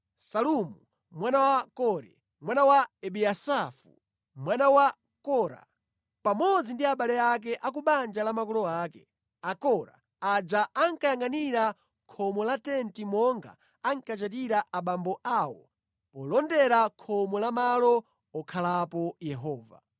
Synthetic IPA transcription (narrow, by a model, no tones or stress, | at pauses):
salumu | mwanawakɔɾɛ̰ | mwanawaɛɓiasafu | mwanawa | kɔɾa̰ | pamɔd͡zindiaɓalɛak̬ɛʔak̬uɓand͡ʒalamakɔlɔaːkɛ̰ | akɔɾa̰ | ad͡ʒaʔaŋkajaŋɡaniɾa | kʰɔmɔlatɛntimɔŋɡa̰ː | ŋkat͡ʃat̬iɾaʔaɓambɔʔawɔ̰ | pɔlɔndɛɾakʰɔmɔlamalɔ | ɔkʰalapɔjɛɦɔːva̰